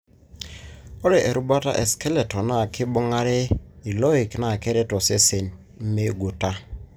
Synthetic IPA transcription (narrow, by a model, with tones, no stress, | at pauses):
ɔ˦ɾɛ˨ʔe˨ɾu˦ba˦ta̰˦ʔe˨skɛ˦le˨tɔ˨na˦˨kɪ˦bɔ˦ŋa˦ɾɛ˦i˨lɔ˦i˨kna˨kɛ˦ɾɛ˦tɔ˨se˦se˨n | m̩˦me˦ɡu˨ta˦